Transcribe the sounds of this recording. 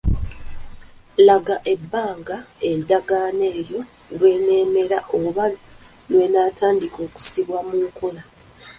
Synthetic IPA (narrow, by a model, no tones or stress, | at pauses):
laɡaʔe̞bːaːŋɡaedaɡaːne̞ːɾjo̞ | lwe̞ːneːme̞ɾaʔoβa | lwe̞ːnaːtʰaːndiko̞ːku̥siβwamuŋkʰola